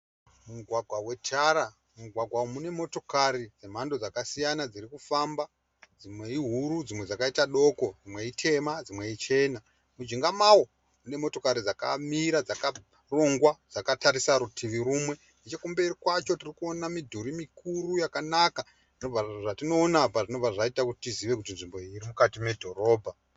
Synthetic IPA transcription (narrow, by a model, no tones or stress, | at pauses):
muɡʱwaɡʱwawe̞tʰaɾa | muɡʱwaɡʱwawomune̞mo̞to̞kaɾid͡ze̞m̤ando̞d͡zakasijanad͡ziɾikufamba | d͡zimwe̞iɦuɾud͡zimwe̞d͡zakaitaɗo̞ko̞d͡zimwe̞itʰe̞mad͡zimwe̞it͡ʃe̞na | mud͡ʒiŋɡamawo̞ | mune̞mo̞to̞kaɾid͡zaka̰miɾad͡zaka | ro̞ŋɡwad͡zakataɾisaɾutʰiʋiɾuːmwe̞ | net͡ʃekumbeirikwat͡ʃo̞tirikuonamidʱuɾimikurujakanaka | ʐinob͡vaʐatino̞ːnapaʐino̞b͡vʱaʐaitakutitiziʋe̞kut̬inʐimbo̞iɾimukatime̞dʱo̞ɾo̞ːbʱa